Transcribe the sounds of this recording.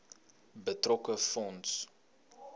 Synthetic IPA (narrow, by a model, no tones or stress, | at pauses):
bətrɔkəfɔnts